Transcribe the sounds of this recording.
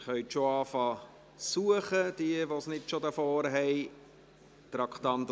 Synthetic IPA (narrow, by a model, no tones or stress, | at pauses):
χœʏtʃoɑːfɑː | suəχəd̥̪iəʋosnɪtʃodəfoːɾɦɛɪ | t̪ɾɑkχt̪ɑnt̪